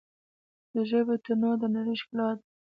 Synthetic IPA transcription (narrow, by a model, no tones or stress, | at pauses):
d̪əʒəβet̪anod̪ənaɾiʃklɑd̪